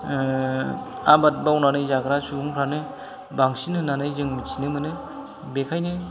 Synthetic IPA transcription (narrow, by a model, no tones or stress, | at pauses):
abat̚bawnanɯjzaɡɾasuuŋpʰɾanɯ | baŋsinɯnːanajzɯŋmisʰinɯmɯnɯ | bekʰajnɯ